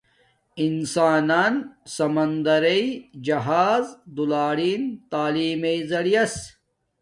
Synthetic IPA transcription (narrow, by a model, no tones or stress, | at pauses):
insaːnaːnsɐmɐnd̪ɐɾeid͡ʑɐɦaːzd̪ulaːɽiːnt̪aːliːmeizɐɽijɐs